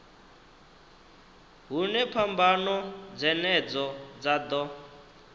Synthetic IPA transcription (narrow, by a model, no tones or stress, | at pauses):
ɦunɛpʰambanɔd͡zɛnɛd͡zɔd͡zad̪ɔ